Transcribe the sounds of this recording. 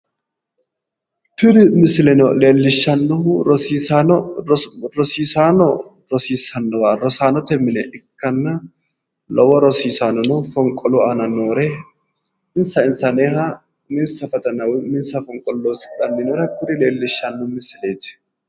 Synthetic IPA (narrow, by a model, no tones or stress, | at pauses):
t̪ʊɾɪmɪsɪlɛnɔleːlːɪʃːɐnːɔʊɾɔsiːsanɔ | ɾɔsiːsaːnɔ | ɾɔsiːsɐnːɔwaɾɔsaːnɔt̪ɛmːɪnɛʔɪkːɐnːɐ | lɔwɔɾɔsiːsaːnɔnɔfɔŋkʼɔlɔɐnɐnoːɾɛ | ɪnsɐɪnsɐneːhɐ | mɪnsɐfɐt̪ʼɐnɐwmɪnsɐfɔŋkʼɔlːosᶑɐnːɪnɔɾɛkʊɾɪle̞ːlːɪʃːɐnːɔmɪsɪleːt̪ɪ̥